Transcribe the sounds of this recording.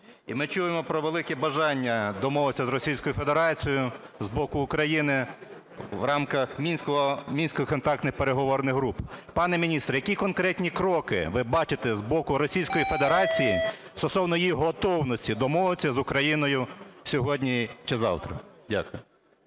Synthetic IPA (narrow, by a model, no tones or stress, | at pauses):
imɪt͡ʃujemɔpɾɔʋelˠɪkɛbɐʒɑnʲːɐd̪ɔmɔʋɪt͡sʲːɐzɾɔsʲijsʲkɔjʊfe̞d̪eɾɑt͡sʲijʊzbɔkʊːkɾɐjinɪ | ʋrɑmkɐxmʲinʲsʲkɔɔmʲinʲsʲkɔjkɔnt̪ɑk̚t̪nɪxpeɾeɦɔʋɔrnɪɣɦɾuppɑnɛmʲinʲist̪ɾɐjɐkʲikɔnkɾɛtʲnʲikɾɔkɪ̰ʋɪbɑt͡ʃɪt̪ɛzbɔkʊɾɔsʲijsʲkɔjife̞d̪eɾɑt͡sʲijist̪ɔsɔwnɔjiɦɔt̪ɔwnɔsʲtʲid̪ɔmɔʋɪt͡sʲːɐzʊkɾɐjinɔjʊsʲɔɦɔdʲnʲit͡ʃɪzɑ̰wt̪ɾɐ̰dʲa̰kʊjʊ